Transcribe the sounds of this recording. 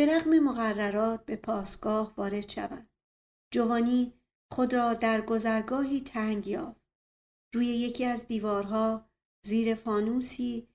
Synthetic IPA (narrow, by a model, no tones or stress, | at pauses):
b̥e̞ɾæɣme̞mo̞ɣærːæɾɒːt̪̚ʰbe̞pʰɒːsɡ̥ɒːhvɒːɾe̞d̪̥ʃæ̰væ̰nd̥̪ | d͡ʒo̞vɒːniː | χo̞d̪ɾɒːd̪æɾɡo̞zæɾɡɒːɦiːt̪ʰæŋɟjɒːft̪̚ | ruːje̞je̞cʰiːæzd̪iːvɒːɾɦɒː | ziːɾe̞fɒːnuːsiː